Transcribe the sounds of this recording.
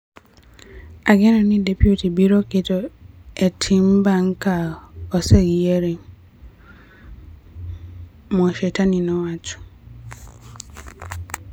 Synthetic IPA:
aɡɛnãnɪ̃dɛpʰutibiɾɔkɪtɔɛtʰĩm̩baŋ̩kʰaɔsɛɡijeɾɪŋ | mɔ̃ʃetʰanĩnɔ̃watʰʊ̥

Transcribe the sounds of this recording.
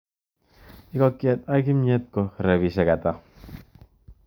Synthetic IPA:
ikokːjat̪aɡimɲet̪̚koreβisekat̪a

